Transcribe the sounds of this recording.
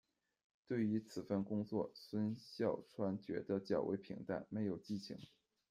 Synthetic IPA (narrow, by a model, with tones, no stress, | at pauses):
t̪we˥˩ɪy˧˥t͡sʰɹ̩˨˩fə˥˩nkʊ˥ŋt͡swɔ̰˥˩swə˥nɕjɑ˥˩ʊʈ͡ʂʰwa˥nt͡ɕɥɛ̰˧˥d̪ə˧t͡ɕjɑ˨˩ʊwʔḛ˧˥ɪpʰḭ˧˥ŋt̪a̰˥˩ɪme˧˥ɪjo˨˩ʊt͡ɕi˥˩t͡ɕʰḭ˧˥ŋ